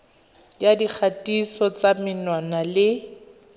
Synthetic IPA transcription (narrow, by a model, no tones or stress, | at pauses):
djadik͡xʰatʼisɔt͡samɪnwanalɪ